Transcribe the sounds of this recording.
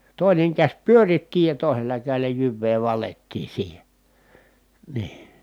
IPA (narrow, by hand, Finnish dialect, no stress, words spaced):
toˑineŋ kæsʲ pyøritːi jɑ toˑi̯selːɑ kæˑi̯lˑæ jyʋːeː ʋɑletːiː siːhe niː